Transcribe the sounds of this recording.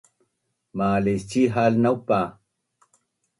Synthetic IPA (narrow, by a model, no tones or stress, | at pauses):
maːlest͡ɕiɦalnawpa